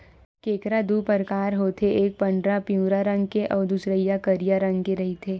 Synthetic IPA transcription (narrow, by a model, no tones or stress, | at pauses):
keːkɾad̪uːpəɾkaːɾɦoːt̪ʰeʔeːk̚pɐ̃ɳɖɾapijũːɾaɾɐ̃ŋɡkeʔɔːɾd̪usɾəijakɐɾijaɾɐ̃ŋɡkeɾɐɦit̪ʰeː